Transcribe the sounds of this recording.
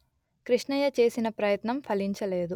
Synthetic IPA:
kɾiʂɳɐjɐt͡ʃe̞ːsinɐpɾɐjɐt̪nɐmpʰɐliɲt͡ʃɐle̞ːd̪u

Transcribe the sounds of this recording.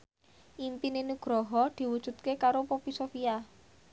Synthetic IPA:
ʔimpininuɡ̥ɾɔɦɔd̪̥i̤wud̥ʒ̥ṳt̪̚kekaɾopopisofia

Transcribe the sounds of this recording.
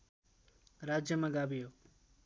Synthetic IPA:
ɾad͡ʒjəmãɡabijo

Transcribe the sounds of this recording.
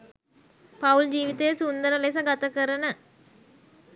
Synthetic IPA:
pauld͡ʑiːʋit̪əjəsund̪əɾəlesaɡat̪əkəɾənə

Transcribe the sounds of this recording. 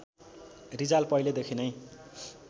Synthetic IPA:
rid͡zalpʌijled̪ekʰinʌj

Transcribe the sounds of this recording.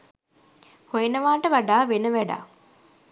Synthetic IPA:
hojenəʋaːʈəʋaɖaːʋenəʋæɖa̰

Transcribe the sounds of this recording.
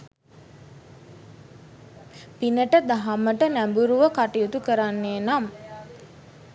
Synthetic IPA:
pinəʈəd̪aɦaməʈənæmbuɾuʋəkaʈijut̪ukəɾanːeːnam

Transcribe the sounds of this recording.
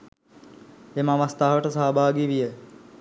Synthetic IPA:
eməaʋəst̪aɦɐʋəʈəsaːbʱaːɡiʋijə

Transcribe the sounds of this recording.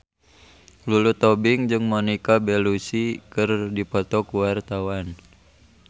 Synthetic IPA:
lulut̪ɔbiŋd͡ʒɨŋmɔnikabɛlusikɨrdipɔt̪ɔkuwart̪awan

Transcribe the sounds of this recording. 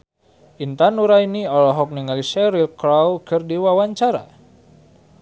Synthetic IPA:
ʔint̪anuɾainiɔlɔɦɔk̚niŋalisɛɾilkɾalkɨrdiwawaɲt͡ʃaɾa̰

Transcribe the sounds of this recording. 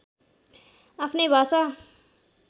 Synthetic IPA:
apʰnebʱasa

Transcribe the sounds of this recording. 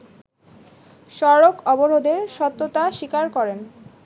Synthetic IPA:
ʃɔɾokɔboɾod̪eɾʃɔt̪ːot̪aʃikaɾkɔɾen

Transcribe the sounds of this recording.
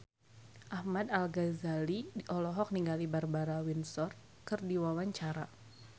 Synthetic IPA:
ʔahmadalɡazalidiʔɔlɔɦɔk̚niŋɡalibarbaɾawinsɔr | kɨrdiwawaɲt͡ʃaɾa

